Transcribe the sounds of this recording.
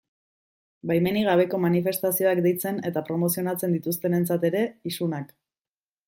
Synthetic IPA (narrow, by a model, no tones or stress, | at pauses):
bajme̞niɣ̞aβ̞e̞ko̞manife̞st̪asio̞akd̪e̞jt͡se̞ne̞t̪apɾo̞mo̞sio̞nat͡se̞nd̪it̪ust̪e̞ne̞nt͡sat̪e̞ɾe̞isunak